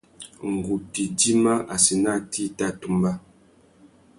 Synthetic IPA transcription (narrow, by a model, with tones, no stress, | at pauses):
ŋ̩˨ɡu˨ti˨di˦ma˦ʔa˨si˨na˦˨tʰi˦ta˦˨tu˨mba˦